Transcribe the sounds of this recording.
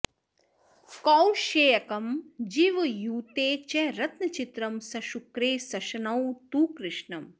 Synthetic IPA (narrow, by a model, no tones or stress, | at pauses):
kɔwʃeːjɐkɐmd͡ʒiʋjuːt̪eːt͡ʃɛɾɐt̪nɐt͡ʃit̪ɾɐmsɐʃukɾeːsɐʃɐnɐwt̪uːkɾɪʃɳɐm